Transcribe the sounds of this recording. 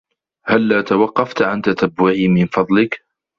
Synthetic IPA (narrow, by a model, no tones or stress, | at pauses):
halːaːt̪awɑqːɑft̪ʕant̪at̪abːʊʕiːmɪnfɑd̪ˤlɪk